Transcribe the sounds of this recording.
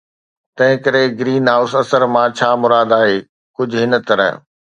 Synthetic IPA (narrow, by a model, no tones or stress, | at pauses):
t̪ɐ̃ɦɪ̃kɐɾeɡɾiːnɦaːʊsɐsəɾmãt͡ɕʰaːmʊɾaːd̪aːɦeː | kʊd͡ʑʱʊɦɪnə̆t̪ɐɾə̰ɦ